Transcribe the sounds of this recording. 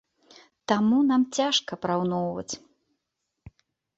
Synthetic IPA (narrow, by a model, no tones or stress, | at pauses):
t̪amunamt͡sʲaʂkɐpɾawnɔwvɐ̰t͡sʲ